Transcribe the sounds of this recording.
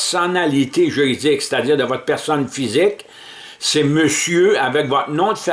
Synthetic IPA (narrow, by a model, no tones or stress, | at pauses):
sɔnalit̪eʒyʁid͡zɪkse̥t̪ad͡ziːʁd̪əvɔt̪̚pɛʁsɔnfizɪk | sɛməsjøavɛkvɔt̪nɔ̃d̪əf